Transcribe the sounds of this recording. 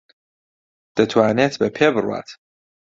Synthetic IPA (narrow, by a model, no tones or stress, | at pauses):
d̪̥ət̪ʰwaːnet̪ʰbɛpʰebɾua̰t̪ʰ